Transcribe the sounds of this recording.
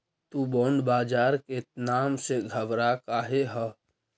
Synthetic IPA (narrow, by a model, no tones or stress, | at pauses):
t̪uboːɳɖbaːd͡ʒaːɾkenaːmseɡʱəbɾakaːɦeɦə